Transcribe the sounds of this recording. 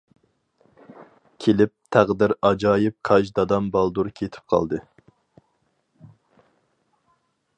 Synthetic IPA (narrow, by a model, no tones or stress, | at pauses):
kʲʰelɪp̚t̪ʰæʁd̪ɪɾɑd͡ʒɑːjɪp̚qʰɑt͡ʃd̪ɑd̪ɑmbɑlˠd̪uɾkʲʰet̪ʰɪ̥p̚qʰɑ̰lˠd̪ɨ